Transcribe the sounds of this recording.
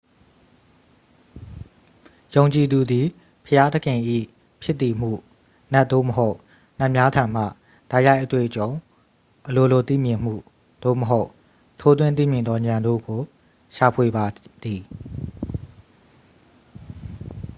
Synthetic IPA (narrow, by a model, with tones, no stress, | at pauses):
jõ˨ʊ̃ɲt͡ɕi˨d̪u˨d̪i˨ | pʰəja˦də˦kʰɪ̃˨ʔḭ˦˨ | pʰjɪ˦t̪ːi˨m̥ṵ˦˨ | nɛ˦ʔ̪t̚d̪o̰˦˨məɦo˦ʊʔ | na˦ʔmja˦tʰã˨m̥ä̰˦˨ | d̥a˦ɪja˦ɪʔət̪wḛ˦˨ʔət͡ɕõ˨ʊ̃ | ʔəlo˨lo˨t̪ḭ˦˨mjɪ̃˨m̥ṵ˦˨ | d̪̥o̰˦˨məɦo˦ʊʔ | tʰo˦t̪̬wɪ̃˦nt̪̬ḭ˦˨mjɪ̃˨nd̪ɔ˦ɲã˨ndo̰˦˨ɡo˨ | ʃa˨pʰwe˨ba˨d̪̥i˨